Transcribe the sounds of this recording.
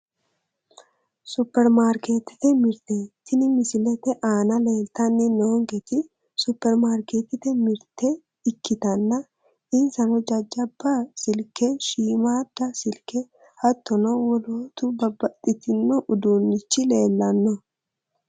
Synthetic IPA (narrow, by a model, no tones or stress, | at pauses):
sʊpːɛɾmaːɾke̞ːt̪ːɪ̥t̪ɛmɪɾt̪et̪ːɪnɪmɪsɪlɛt̪ɛʔaːnɐle̞ːlt̪ɐnːɪnoːŋɡɛt̪ɪ | sʊpːɛɾmaːɾkeːt̪ːɪt̪ɛmɪɾt̪ʰɛ | ɪkːɪt̪ɐnːɐ | ɪnsɐnɔd͡ʒɐd͡ʒːɐbːɐsɪlkɛʃiːmaːd̪̥ɐsɪlkɛ | hɐt̪ːɔnɔwɔloːt̪ʊbɐbɐt̪ʼːɪt̪ɪnːɔʔʊd̪uːnːɪt͡ʃːɪleːlːɐnːɔ